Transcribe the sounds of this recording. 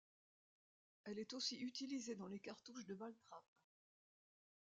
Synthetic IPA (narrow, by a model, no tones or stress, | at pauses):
ɛlɛt̪osiyt̪ilized̪ɑ̃lekaʁt̪uʃd̪əbalt̪χap